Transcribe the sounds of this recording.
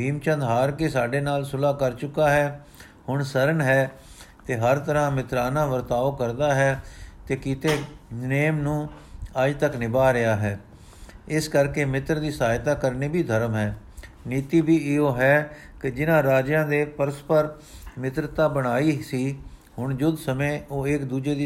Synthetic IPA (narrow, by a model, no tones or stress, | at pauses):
bʱiːmt͡ʃə̃nd̪ɦaːɾkesaːɖeːnaːlsʊlaːkəɾt͡ʃʊkaːɦɛː | hʊɳsəɾənɦɛː | t̪eːɦəɾt̪əɾãːmɪt̪ɾaːnãːʋəɾt̪aːokəɾd̪aːɦɛːt̪eːkiːt̪eːneːmnũːəd͡ʒt̪əknɪbaːɾɪaːɦɛː | ɪskəɾkeːmɪt̪ɾd̪iːsaːjt̪aːkəɾneːbʱiːd̪ʱəɾəmɦɛː | niːt̪iːbʱiːɪoːɦɛː | kɪd͡ʒɪnãːɾaːd͡ʒjãːd̪eːpəɾəspəɾ | mɪt̪ɾət̪aːbəɽ̃aːiːsiːhʊɳd͡ʒʊd̪səmẽːoːɪkd̪uːd͡ʒeːd̪iː